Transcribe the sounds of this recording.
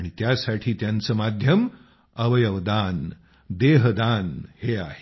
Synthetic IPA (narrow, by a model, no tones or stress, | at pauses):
ɽ̃it̪jasaʈʰiːt̪jant͡səːmad̪ʱjəm | əʋəjəʋd̪an | d̪eɦd̪anheaɦe